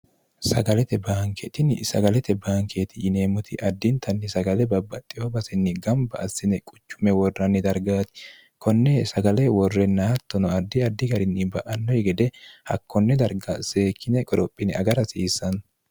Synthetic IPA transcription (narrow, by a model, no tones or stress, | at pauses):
sɐɡɐlɛt̪ɛbaːŋkʰɛt̪ɪnsɐ̰ɡɐlɛt̪ɛbaːŋkʰeːt̪ɪɪne̞ːmʊt̪ʰɪʔɐd̪ːɪnt̪ʰɐnːɪsɐɡɐlɛbɐbːɐt̪ʼːɪhobɐsɪnːɪɡɐmbɐʔɐsɪnɛkʼʊ̥t͡ʃːʊmɛwɔrːɐnːɪd̪ɐɾɡaːt̪ɪ̥ | kʰɔnːɛsɐɡɐlɛwɔrːɛnːɐhɐt̪ːɔnɔɐd̪ːɪɐd̪ːɪɡɐɾɪnːɪbɐʔɐnːɔjɛɡɛd̪ɛhɐ̰kːɔnːɛd̪ɐɾɡɐseːkʰːɪnɛkʼɔɾɔpʼːɪnɪɐɡɐɾɐsiːsːɐn